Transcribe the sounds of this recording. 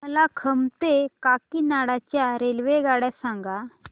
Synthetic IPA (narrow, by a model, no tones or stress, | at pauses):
məlakʰəmt̪ekakiːnaɽat͡ɕjaɾelʋeɡaɽjasaŋɡa